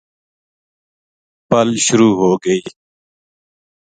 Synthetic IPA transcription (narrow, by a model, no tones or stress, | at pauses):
pəlʃʊɾuːɦoːɡəiː